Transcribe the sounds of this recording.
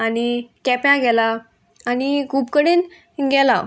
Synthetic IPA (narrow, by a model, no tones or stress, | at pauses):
anikɛpjãɡɛlaː | nikʰuːpkəɽen | ɡʱɛla̰